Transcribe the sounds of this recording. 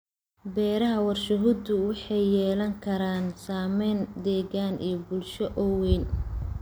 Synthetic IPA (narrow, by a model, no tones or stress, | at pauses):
bɛːɾɐɦɐwɐrʃʊɦʊd̪ʊwɑħɑjːɛːlɐŋkʰɐɾaːnsaːmɛjnd̪ɛːɣaːnʔḭjɔbʊlʃɔʔɔwɛjn